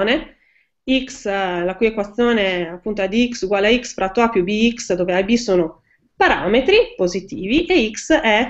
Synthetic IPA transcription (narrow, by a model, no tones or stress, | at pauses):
ne | ikslakujekwat̪sːjoːneapːunt̪oɛd̪iiksuɡwaːleaiksfɾat̪ːoapjubiiksd̪oːveajbisoːno | paɾa̰ːmet̪ɾipozit̪iːviʔeiksɛ